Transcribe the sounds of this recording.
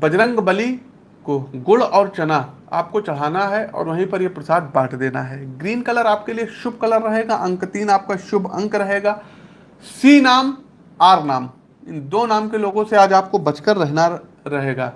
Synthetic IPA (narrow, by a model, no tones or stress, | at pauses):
bɐd͡ʒɾə̃ŋɡbɐli | koɡʊɭɔːɾt͡ʃɐna | a̰ːp̚kot͡ʃɐɭ̤aːnaɦɛʔɔ̰ːɾʋɐɦĩpɐɾjepɾɐsaːd̪̚baːʈʰd̪eːnaɦɛːɡɾiːnkɐləɾaːp̚kelijeʃʊbʱkɐləɾːɐɦeːɡaʔɐ̃ŋkt̪iːnaːp̚kaʃʊbʱɐ̰̃ŋkɾɐɦeːɡaː | siːnaːm | aːɾnaːm | ɪnd̪oːnaːmkeloːɡõseaːd͡ʒaːp̚kobɐt͡ʃkəɾːɛɦna | ɾɐɦeːɡaː